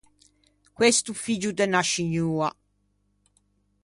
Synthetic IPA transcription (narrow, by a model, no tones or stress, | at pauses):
kwest̪ufid͡ʒud̪enaʃiɲuːa